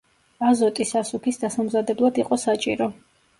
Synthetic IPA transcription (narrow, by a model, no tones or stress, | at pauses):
azɔt̪ʼisasukʰisd̪asamzad̪ɛblˠad̪iqʼɔsat͡ʃʼḭɾɔ